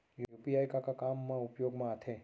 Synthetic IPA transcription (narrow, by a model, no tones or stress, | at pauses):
jjupiajkakakamːãupjoɡmãət̪ʰe